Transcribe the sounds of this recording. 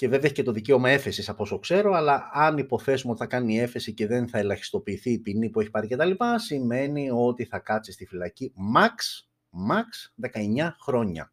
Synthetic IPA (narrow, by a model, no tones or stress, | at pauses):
ce̞veðeçice̞t̪o̞ðice̞o̞mɐe̞fe̞sisɐpo̞sokse̞ɾo̞ɐlɐɐnipo̞θe̞sumeo̞t̪i̥θɐkɐniie̞fe̞sice̞ðe̞nθɐe̞lɐçi̥st̪o̞piːθiːpinipue̞çi̥pɐɾice̞t̪ɐlipɐsime̞nio̞t̪iθɐkɐt̪sist̪ifilɐcimɐks | mɐksðe̞kɐe̞ɲɐxɾo̞ɲɐ̰